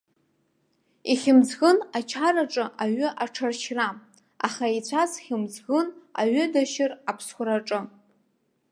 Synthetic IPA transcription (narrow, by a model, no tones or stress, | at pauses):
iχʲɪmd͡zɡɨnat͡ʃʰaɾaʈ͡ʂʼɨʔaɥɨʔaʈ͡ʂʰarʃʰra | a̰χait͡sʷʰazχʲɪmd͡zɡɨna̰ɥʏdaʃɪrapʰsχʷʊɾaʈ͡ʂʼɨ